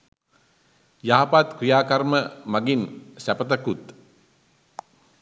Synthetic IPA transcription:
jaɦapat̪krijaːkarməmaɡinsæpət̪əkut̪

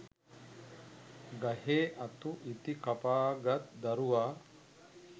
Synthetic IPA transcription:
ɡɐɦeːʔɐt̪uʔit̪ikɐpaːɡɐt̪d̪ɐɾuʋaː

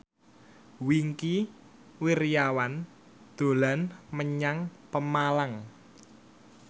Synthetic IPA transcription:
wiŋki | wiɾjawan | d̪̥o̤lanməɲaŋpəmalaŋ

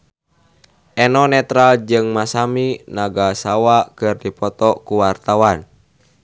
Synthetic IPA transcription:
ʔɛnɔnɛt̪ɾald͡ʒɨŋmasaminaɡasawakɨrdipɔt̪ɔkuwart̪awan

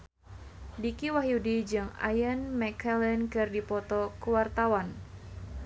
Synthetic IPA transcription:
dikiwaɦjudid͡ʒɨŋa̰jənmɛkɛlɛnkɨrdipɔt̪ɔkuwart̪awan

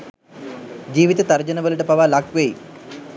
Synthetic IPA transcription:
d͡ʑiːʋit̪ɐt̪ɐrd͡ʑɐnɐʋɐluʈəpɐʋaːlakʋeji

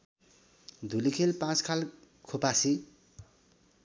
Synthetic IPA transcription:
d̪ʱulikʰelpãt͡skʰal | kʰopasi

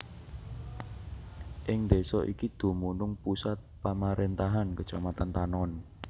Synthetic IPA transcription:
ʔɪŋd̪e̤sɔʔikid̪̥o̤munʊŋpusat̪̚pamaɾent̪aɦankət͡ʃamat̪ant̪anɔn

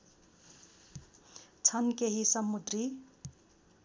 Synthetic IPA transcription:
t͡sʰʌnkeɦisʌmːud̪ri

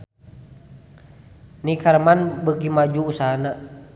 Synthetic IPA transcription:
nikaɾmanbəɡimad͡ʒuːsaɦana

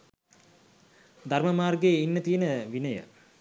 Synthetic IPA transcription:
d̪arməmaːrɡeəinːət̪iənəʋinəjə̰

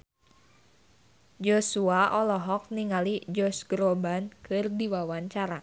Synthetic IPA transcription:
d͡ʒosuaʔɔlɔɦɔk̚niŋalid͡ʒɔsɡɾɔbankɨrdiwawaɲt͡ʃaɾa

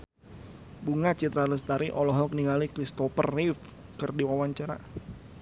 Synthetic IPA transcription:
buŋat͡ʃit̪ɾaləst̪aɾiʔɔlɔɦɔk̚niŋalikɾist̪ɔfərːif | kərdiwawaɲt͡ʃaɾa̰

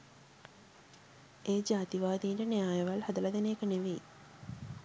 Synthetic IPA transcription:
eːd͡ʒaːt̪iʋaːd̪iːɳɖənejaːjeʋalhad̪əlad̪eneːkəneʋei

